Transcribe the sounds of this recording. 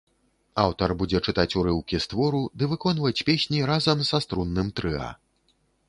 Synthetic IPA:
awt̪ɐrbud͡zʲɛt͡ʂɨt̪at͡sʲuɾɨwkʲist̪vɔɾud̪ɨvɨkɔnvɐt͡sʲpʲesʲnʲiɾazɐmsast̪ɾunːɨmt̪ɾɨa̰

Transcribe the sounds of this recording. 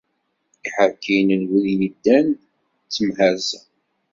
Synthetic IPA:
iħəkːinənwəljəd̪ːæn | t͡sːəmhæz

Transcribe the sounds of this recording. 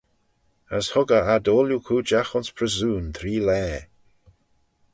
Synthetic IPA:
əshʊɡəadoːljukʰuːd͡ʒaxʊnspʰɾəzuːnt̪ʰɾiːlɛː

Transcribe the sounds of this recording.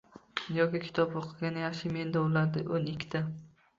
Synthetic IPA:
jɒkʲɪkʲʰɪ̥t̪ʰɒboqʰɨɡʲanɪjɑχʃɪme̞nd̪aʊlaɾd̪aʔonɪkʲʰːt̪ʰa

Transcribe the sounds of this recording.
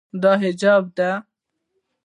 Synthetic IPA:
d̪ɑːɦɪd͡ʒɑːb̚d̪a

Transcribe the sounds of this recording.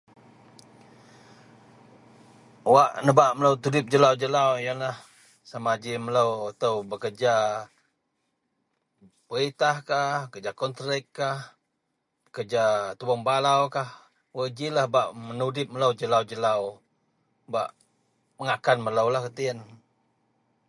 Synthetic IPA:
waʔnəbaʔmələwt̪udɪp̚d͡ʒəlawd͡ʒəlawjanlah | samad͡ʒimələwat̪awbəkərd͡ʒa | pəɣit̪ahkakəd͡ʒakɔnt̪ɾɛkːah | kəd͡ʒat̪uwɔŋbalawkah | wəd͡ʒilahbaʔmənudɪp̚mələwd͡ʒəlawd͡ʒəlaw | ba̰ʔ | məŋakanmələwlahkət̪iən

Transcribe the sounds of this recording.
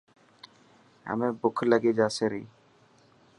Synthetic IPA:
a̰mebʊkʰləɡed͡ʑaːsʰeɾi

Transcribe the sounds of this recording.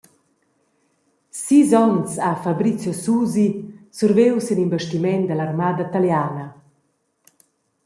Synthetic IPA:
sizɔnsafabɾit͡sjɔsuːzisurvewsenimvəʃtimɛnd̪əlarmaːd̪at̪aljaːna

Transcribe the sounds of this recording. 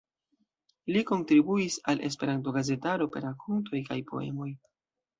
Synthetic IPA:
liko̞ntɾibuisalʔe̞̰s̬pe̞ɾanto̞ɡaze̞taɾo̞pe̞̰ɾakʰonto̞jkajpo̞̰e̞̰mo̞j

